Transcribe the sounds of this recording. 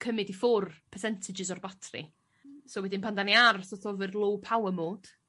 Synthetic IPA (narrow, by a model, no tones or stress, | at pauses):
kʰəmɨdifʊrpʰɛrsɛntʰɪd͡ʒɪs̬ɔrbatʰrḭ | soːwɛdɪnpʰandaniarθɔθɔvərlˠowpʰawəmoːd̥